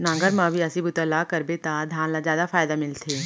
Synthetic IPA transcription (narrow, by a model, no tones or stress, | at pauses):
nãːŋɡəɾmãːbʱiɐsibʊt̪əlakɐɾbet̪ad̪ʱjãːnlazjaːd̪afaːjd̪amɪlt̪ʰeː